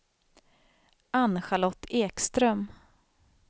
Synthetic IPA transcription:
anɧalɔt̪ːeːkst̪ɾœm

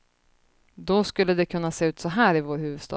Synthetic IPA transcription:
d̪ɔskɵlːəd̪ɛkʰɵnːaseːʉ̟ːt̪sɔɦæːɾɪvoːɾhʉ̟ːvɵd̪st̪ɑ̰ː

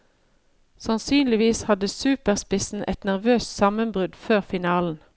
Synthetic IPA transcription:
sɑnsyːnlɪʋiːshɑd̪əsʉːpəʁspɪsn̩ʔɛ̰t̪næʁʋøːssɑmənbʁʉd̪føːʁfɪnɑːln̩

